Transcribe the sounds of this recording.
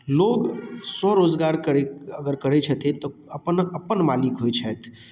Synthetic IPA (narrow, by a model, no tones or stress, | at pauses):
loɡsɔɾod͡ʒɡaɾkəɾeəɡəɾkəɽet͡ʃʰət̪ʰit̪ɔəpənəpːənmalikɦojt͡ʃʰɛt̪ʰ